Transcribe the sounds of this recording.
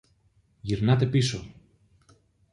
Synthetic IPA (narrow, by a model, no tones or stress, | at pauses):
ʝiɾnɐt̪e̞piso